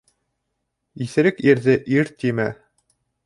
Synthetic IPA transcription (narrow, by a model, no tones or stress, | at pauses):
iθɘ̆ɾɘkiɾðɘʔiɾt̪imæ